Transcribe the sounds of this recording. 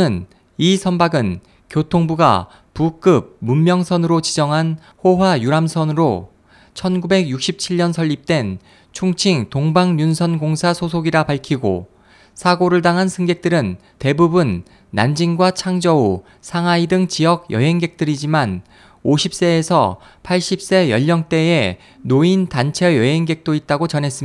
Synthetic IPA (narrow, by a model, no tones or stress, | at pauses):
ɯn | isʰʌnbaɡɯn | kjotʰoŋbuɡa̰ | puk͈ɯb̚mumːjʌŋsʰʌnɯɾot͡ɕid͡ʑʌŋɦan | hoɦwajuɾamsʰʌnɯɾo | t͡ɕʰʌnɡube̞ɡjuk̚ɕ͈ʰip̚t͡ɕʰiɭːʌnsʰʌʎːip̚t͈we̞n | t͡ɕʰuŋt͡ɕʰiŋtoŋbaŋɲunsʰʌnɡoŋsʰasʰosʰoɡiɾapaɭkʰiɡo̰ | sʰaɡoɾɯɭdaŋɦansʰɯŋɡe̞k̚t͈ɯɾɯn | te̞bubunː | a̰nd͡ʑiŋɡwat͡ɕʰaŋd͡ʑʌu | sʰaŋaidɯŋt͡ɕijʌɡjʌ̰ɦe̞ŋɡe̞k̚t͈ɯɾid͡ʑiman | oɕʰip̚s͈e̞ːsʰʌ̰ | pʰaɭɕ͈ip̚s͈e̞jʌʎːʌŋt͈e̞e | nointant͡ɕʰejʌɦe̞ŋɡe̞k̚t͈oit̚t͈aɡot͡ɕʌnɦe̞s͈ɯmia